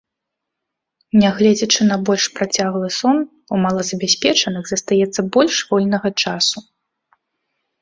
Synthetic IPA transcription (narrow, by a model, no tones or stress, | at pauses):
nʲɛɣlʲɛd͡zʲɐt͡ʂɨnɐbɔlʲʂpɾat͡sʲaɣlˠɨsɔn | umalˠɐzɐbʲasʲpʲɛt͡ʂɐnɨɣzɐst̪ajɛt̪sːɐbɔlʲʂvɔlʲnɐɣɐt͡ʂasu